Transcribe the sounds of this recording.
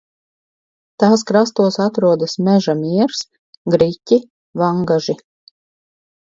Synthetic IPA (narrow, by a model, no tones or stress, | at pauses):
t̪aːskɾast̪uɔsat̪ɾuɔd̪ɐsmʲɛʒamiɛɾs | ɡɾicʲi | vaŋɡaʒi